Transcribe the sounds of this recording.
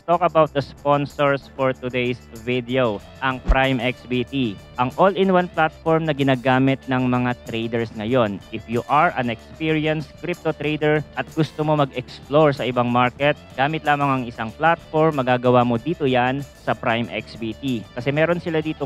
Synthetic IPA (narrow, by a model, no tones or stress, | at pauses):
t̪okɐbawt̪̚d̪ɐsponsoɹsfoɹt̪ʊd̪ejsvid̪ɛo | ʔɐŋpɹajmʔɛksbit̪iʔɐŋʔolɪnwanplat̪foɹmnɐɡɪnaːɡaːmɪt̪̚nɐŋmɐŋat̪ɾɛjd̪ɛɹsŋɐjo̞nʔɪfjuʔɐɹɐnɛkspiɹjɐnskɾip̚t̪ot̪ɾɛjd̪ɛɹʔɐt̪̚ɡʊst̪omo̞mɐɡɛksploɹsɐʔɪbaŋmaɹkɛt̪̚ɡ̥aːmɪt̪laːmɐŋɐŋɪsaŋplat̪foɹmːɐɡaːɡɐwaːmod̪iːt̪ojansɐpɾajmʔɛ̰ksbit̪ikɐsɛmɛːɾonsɪlad̪iːt̪o